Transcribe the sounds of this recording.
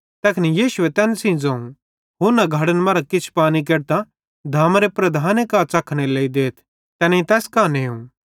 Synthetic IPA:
t̪ɛːkʰnijiːʃʊet̪ɛːnsĩd͡zɐ̃ũ | ɦoːɾnɐɡʱɐɽənmɐɾakɪt͡ʃʰpaːnik̬eːɾt̪ã | d̪ʱaːmɾepɾɐd̪ʱaːnekaːt͡sɐkʰɽ̃eleːid̪eːt̪ʰ | t̪ɛːnĩt̪ɛːskaːneũː

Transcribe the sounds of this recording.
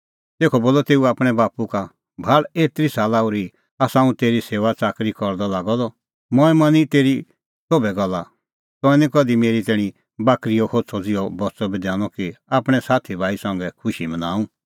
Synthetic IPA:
t̪eːkʰɔboːlɔt̪eːuaːpɽ̃ɛbaːpuka | bʱaɭeːt̪ɾisaːlauɾi | asãːũt̪eːɾiseːʋat͡saːkɾikɔɾd̪ɔlaːɡɔd̪ɔ | mɔ̃ɛmɐ̃nit̪eːɾi | sobɛɡɔlːa | t̪ɔ̃ɛnĩkɔd̪imeːɾit̪ɛːɽ̃ĩ | baːkɾijɔkʰod̪sʰɔd͡zɪjɔbɔt͡sɔbid̪ɛ̃ːñɔkiaːpɽ̃ɛsaːt̪ʰibʱaːisãŋɡɛkʰʊʃimɐnaːũ

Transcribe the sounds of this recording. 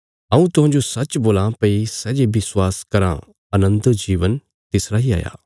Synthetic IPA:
ɐũt̪ʊɦãːd͡ʒosɐt͡ʃboːlãpɐisɛːd͡ʒebɪswaːskɐɾã̰ | ɐnə̃nd̪d͡ʒiːʋən | t̪ɪsɾaːɦia̰ːja̰ː

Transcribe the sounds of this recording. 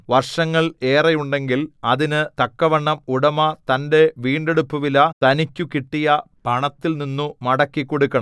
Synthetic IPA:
ʋɐrʂɐŋːɐɭe̞ːrɐjuɳɖe̞ŋɡilɐðinɨt̪ɐkːɐʋɐɳːɐmuɽɐmɐt̪ɐnde̞ʋiːɳɖe̞ɽupːuʋilɐt̪ɐnikʲːukiʈːijɐ | b̥ʱɐɳɐt̪ːilninːumɐɽɐkːikːo̞ɽukːɐɳɐm

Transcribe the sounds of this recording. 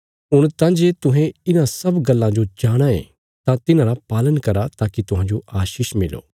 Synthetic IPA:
ɦʊɽ̃t̪ãːd͡ʒeːt̪ʊɦɛ̃ɪnãsɐbɡɐlːãd͡ʒod͡ʒaːɽ̃aḛ̃ | t̪ãt̪ɪnãːɾapaːlənkɐɾat̪aːkit̪ʊɦãd͡ʒoʔaːʃiːʃmɪlo̰ː

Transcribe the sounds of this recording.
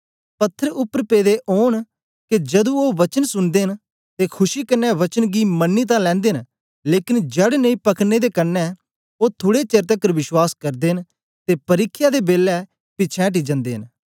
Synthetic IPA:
pət̪ʰːəɾʊpːəɾpeːd̪eʔoːɳ | ked͡ʒɐd̪ũoːʋət͡ʃənsʊnd̪eːɦɪn | t̪eːkʰʊʃiːkənːɛːʋət͡ʃənɡiːmənːiːt̪̬ãlɛ̃ːnd̪eːɦn | leːkɪnd͡ʒɛɽenəĩpəkʰneːd̪eːkənːɛ | oːt̪ʰʊːɽet͡ʃeːɾt̪əkəɾʋɪʃwaːskəɾd̪eːɦn | t̪eːpəɾɪkʰːjaːd̪eːbeːlːɛ | pɪt͡ʃʰɛ̃ʈ̬iːd͡ʒə̃nd̪eːɦɪn

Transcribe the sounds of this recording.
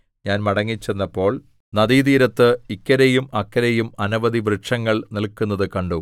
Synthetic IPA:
ɲaːnmɐɽɐŋːit͡ɕːenːɐpːo̞ːɭ | nɐðiːd̪iːɾɐt̪ːɨikːɐɾejumɐkːɐɾejumɐnɐʋɐd̪iʋrɨʈʂɐŋːɐɭnilkːunːɐðɨkɐɳɖu

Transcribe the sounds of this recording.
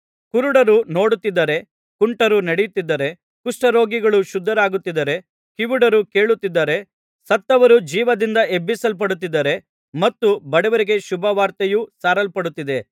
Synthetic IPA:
kuɾuɽɐɾuno̞ːɽut̪ːid̪ːɐɾe̞ | kuɳʈɐɾunɐɽejut̪ːid̪ːɐɾe | kuʂʈɐɾo̞ːɡiɡɐɭuʃud̪ʱːɐɾaːɡut̪ːid̪ːɐɾe̞ | kiʋuɽɐɾuke̞ːɭut̪ːid̪ːɐɾe̞ | sɐt̪ːɐʋɐɾud͡ʒiːʋɐd̪ind̪ɐe̞bːisɐlp̬ɐɽut̪̬ːid̪ːɐɾe̞ | mɐt̪ːubɐɽɛʋɐɾiɡe̞ʃubʱɐʋaːɾt̪ɐjusaːɾɐlpɐɽut̪ːid̪e̞

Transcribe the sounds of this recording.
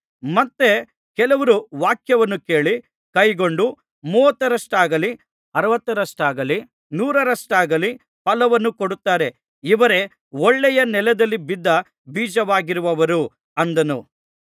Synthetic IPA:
mɐt̪ːe | kɛlɐʋɐɾuʋaːkjɐʋɐnːuke̞ːɭi | kɐjɡoɳɖu | muːʋɐt̪ːɐɾɐʂʈaːɡɐli | ɐɾɐʋɐt̪ːɐɾɐʂʈaːɡɐli | nuːɾɐɾɐʂʈaːɡɐli | pɐlɐʋɐnːukoɽut̪ːaːɾe̞ | iʋɐɾe̞ | ɔɭːɛjɐnɛlɛd̪ɐlːibid̪ːɐ | biːd͡ʒɐʋaːɡiɾuʋɐʋɐɾu | ɐnd̪ɐnu

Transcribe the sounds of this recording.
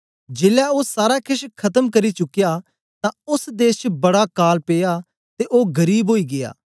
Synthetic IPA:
d͡ʒeːlaoːsaːɾakʰɪʃkʰɐt̪əmkɐɾit͡ʃʊkija | t̪ãʊsd̪eːst͡ʃbɐɽakaːlpeːja | t̪eʔoːɡɐɾiːbɦoːiːɡɪja̰ː

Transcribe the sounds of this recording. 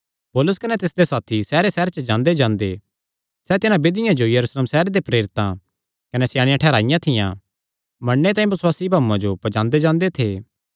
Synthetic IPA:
pɔːlʊskɐnɛt̪ɪsd̪esaːt̪ʰisɛːɾesɛːɾt͡ʃəd͡ʒãːnd̪ed͡ʒãːnd̪e | sɛt̪ɪnãbeːd̪ɪjãd͡ʒojɐɾuːsleːmsɛːɾed̪epɾeːɾɪt̪ã̰ | kɐnesɪjaːɽ̃ɪjãʈʰɛːɾaːɪjãt̪ʰɪjã̰ | mɐɳːet̪aːĩbɐswaːsibʱaːũːãd͡ʒopɐd͡ʒãːnd̪ed͡ʒãːnd̪et̪ʰeː

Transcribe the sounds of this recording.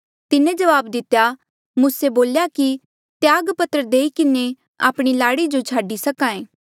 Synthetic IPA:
t̪ɪnẽd͡ʒɐʋaːbd̪ɪt̪ːja | muːseboːljaki | t̪jaːɡpət̪ɾəd̪eːikɪne | a̰ːpɽ̃ilaːɽid͡ʒot͡ʃʰaːɖisɐkãːẽː

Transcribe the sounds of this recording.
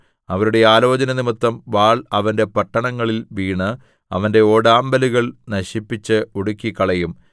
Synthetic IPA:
ɐʋɐɾuɽe̞aːlo̞ːt͡ɕɐnɐnimɨt̪ːɐmʋaːɭɐʋɐnde̞pɐʈːɐɳɐŋːɐɭilʋiːɳɨ | ɐ̰ʋɐnde̞o̞ːɽaːmbɐluɣɐɭnɐɕipːit͡ɕːɨuɽukʲːikːɐɭɐjum

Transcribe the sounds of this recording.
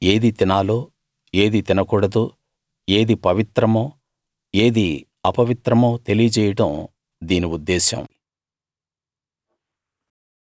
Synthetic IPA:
e̞ːd̪it̪inaːloː | e̞ːd̪it̪inɐkuːɽɐd̪u | e̞ːd̪ipɐʋit̪ɾɐmoː | eːd̪i | ɐpɐʋit̪ɾɐmoːt̪e̞lijɐt͡ʃɛːjɐʈɐm | d̪iːniud̪ːeːsɐ̰m

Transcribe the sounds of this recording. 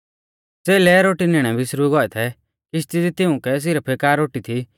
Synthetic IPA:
seːlɛɾoːʈinɪɽ̃ɛbʱɪsɾuɡɔɛt̪ʰɛ | kist̪ɪd̪it̪ɪʊ̃kɛs̬ɪɾɛpʰekaːɾːoːʈit̪ʰi

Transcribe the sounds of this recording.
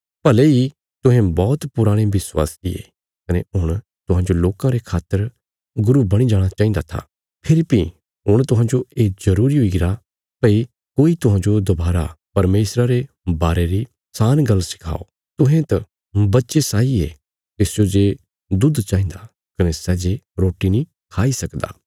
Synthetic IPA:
pɐlei | t̪ʊɦẽbɔːt̪pʊɾaːɽ̃eʋɪswa̰ːsɪḛ | kɐneɦʊɽ̃ | t̪ʊɦãːd͡ʒoloːkãɾekʰaːt̪ːəɾ | ɡʊɾubɐɽ̃id͡ʒaːɽ̃at͡ʃaːĩnd̪at̪ʰa̰ | pʰɪɾipi | ɦʊɽ̃t̪ʊɦãːd͡ʒoeːzɐɾuːɾiɦoiɡɪɾa | pɐi | koːit̪ʊɦãːd͡ʒod̪ɐbaːɾa̰pɐɾmeːsɾaɾe | baːɾeɾi | saːnɡɐlːsɪ̥kʰa̰ːo̰ | t̪ʊɦẽt̪ɐ | bɐtːʃesaːie | t̪ɪsd͡ʒod͡ʒeː | d̪ʊd̪t͡ʃaːĩːnd̪a | kɐnesɛːd͡ʒeɾoːʈinĩ | kʰaːisɐkd̪a̰ː

